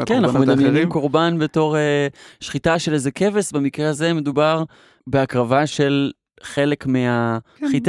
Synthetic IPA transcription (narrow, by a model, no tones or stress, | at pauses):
knanaχnumeddamjenimkoʁbanbeto̞ʁeʃχitaʃe̞lezeke̞vesbemikʁehaze̞me̞d̪ubaʁ | beakʁavaʃe̞l | χe̞le̞kmeaχit